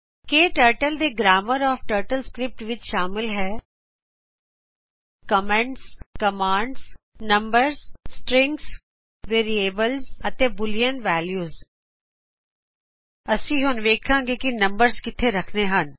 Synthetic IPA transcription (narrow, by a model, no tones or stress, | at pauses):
keːʈəːɾʈəld̪eːɡɾaːməɾɔːfʈəːɾʈəlskɾɪp̚ʈʋɪt͡ʃʃaːmɪlɦɛː | kəmɛ̃ɳʈskɐmãːɳɖs | nɐ̃mbəɾzːʈɾɪ̃ŋɡs | ʋeːɾieːbəlzɐt̪ẽbʊlijənʋɛːljuːz | ɐsĩɦʊnʋeːkʰãːŋɡekinɐ̃mbəɾzkɪt̪ʰeɾɐkʰneɦən